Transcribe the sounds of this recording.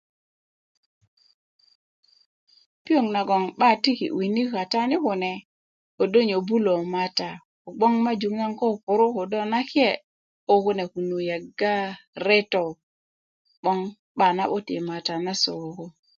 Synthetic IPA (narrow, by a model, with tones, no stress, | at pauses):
pi˦o˨ŋna˨ɡɔ˨ŋba˦˨ti˦kḭ˨wi˨ni˦ka˨ta˦nɪ˦kʊ˨nɛ˨ | o˨do˦ɲo˨bu˦lo˨ma˨ta˨ | ɔ˨ɡ͡bɔ˦ŋma˦d͡ʒu˨ŋa˦ŋkɔ˦˨kʊ˨ɾʊ˦ko˨dɔ˦na˦kjɛ˦˨ | o˦ko˦nɛ˨ku˨nu˨ja˨ɡa˦ɾɛ˦tɔ˨ | ɓɔ˦ŋ | ba˨na˦bo˦tɪ̰˨ma˨ta˨na˦so˨o˨ko˦